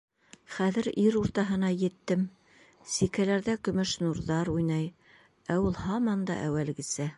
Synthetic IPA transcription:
χæðɘɾiɾuɾt̪ɑɦɤ̆nɑjɘ̆t̪ːɘm | sikælæɾðækɵ̆mɵʃnuɾðɑɾujnɑj | æulˠhɑmɑnd̪ɑ̰ʔæwælɡɘ̆sæ

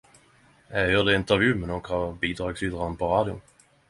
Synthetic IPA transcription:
jæjøːd̪ɛɪnt̪əɾvjʉ̟ːmɛnokhɑbiːd̪ɾɑːɡsyːd̪ʁanpʰɔɾɑːd̪jʊ̰

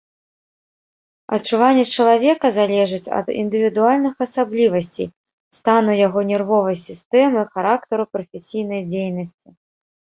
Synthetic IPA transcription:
ɐ̰tt͡ʂuvanʲːɛt͡ʂɐlˠavʲɛkɐzalʲɛʐɨt͡sʲɐ̰d̪ḭnd̪ɨvʲid̪ualʲnɨxɐsablʲivɐsʲt͡sʲḛj | st̪anujaɣɔnʲɛrvɔvɐjsʲist̪ɛmɨxaɾakt̪ɐɾupɾɐfʲɛsʲijn̪ɐjd͡zʲejnɐsʲt͡sʲi

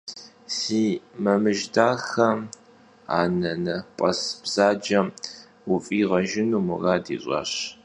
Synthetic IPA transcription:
siːmɐmɨʒdaːxɐ | a̰ːnɐnɐpʼɐsb̥z̥aːd͡ʒɐm | wʊfʼiːʁɐʒɪnuːmʊraːdḭːɕʼɑ̰ːɕ

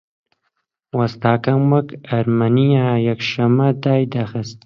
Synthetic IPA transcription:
wast̪aːkamwakaɾmanijajakʃamad̪aːjd̪axəst̪

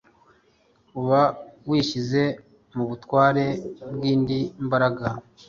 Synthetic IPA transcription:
uβawiːʃize̞ | muβutwaːɾe̞bɡiːndimbaɾaɡa

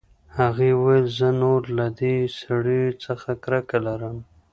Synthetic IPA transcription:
haɣewalzənoɾlad̪esaɽit͡səxakɾakalaɾəm

